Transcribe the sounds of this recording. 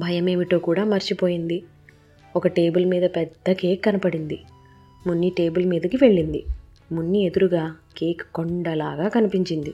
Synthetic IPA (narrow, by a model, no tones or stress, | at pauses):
bʱɐjɐme̞ːʋiʈo̞ːkuːɽaːmɐɾt͡ʃipoːjind̪i | ɔkɐʈe̞ːbulmiːd̪ɐpɛd̪ːɐkeːkːɐnɐpɐɽind̪i | munːiʈe̞ːbulmiːd̪ɐkiʋe̞ɭːind̪i | munːie̞d̪uɾuɡaːkeːkkːoɳɖɐlaːɡaːkɐnipiɲt͡ʃind̪i